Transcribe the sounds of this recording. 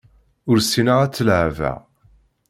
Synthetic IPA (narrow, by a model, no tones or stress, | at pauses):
ʊɾsinəʁæt͡sːəlʕvæ̰